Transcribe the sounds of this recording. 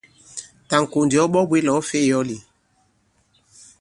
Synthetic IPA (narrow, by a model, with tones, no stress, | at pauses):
ta˨ŋ̩˨ko˨ndi˨ɔ˦ɓɔ˦bwe˦lɔ˨˦fe˦˨jɔ˦li˨